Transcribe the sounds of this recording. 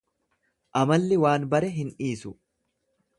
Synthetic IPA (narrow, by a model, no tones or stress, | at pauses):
ʔɐmɐlːɪwaːnbɐɾɛɦɪnᶑiːsʊ